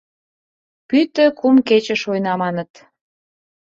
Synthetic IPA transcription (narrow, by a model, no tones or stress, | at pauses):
pyt̪ə̆kumket͡ɕə̆ʃojnɑmɑnət̪